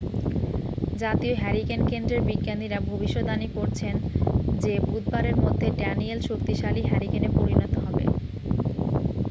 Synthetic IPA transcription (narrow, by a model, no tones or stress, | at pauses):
d͡ʑat̪ioɦɛɾikenkend̪ɾeɾbiɡːand̪iɾabʱobiʃːod̪anikoɾt͡ɕʰend͡ʑebud̪̚baɾeɾmod̪ʱːeɖɛnielʃok̚t̪iʃaliɦɛɾikenepoɾinɔt̪oɦɔbḛ